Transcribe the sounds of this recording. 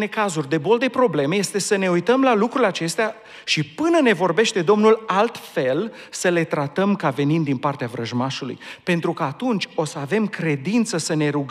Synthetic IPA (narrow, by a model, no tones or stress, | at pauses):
ne̞kazurʲd̪e̞bo̞ld̪e̞pɾo̞ble̞mejest̪e̞səne̞ujt̪əmlalukɾulʲat͡ʃe̞st̪ea | ʃipɨnəne̞vo̞rbe̞ʃt̪e̞d̪o̞mnulalt̪fe̞l | səle̞t̪ɾat̪əmkave̞nimd̪inpart̪eavɾəʒmaʃulṵjpe̞nt̪ɾukaːt̪unt͡ʃʲo̞səave̞mkɾe̞d̪int̪səsəne̞ɾuɡ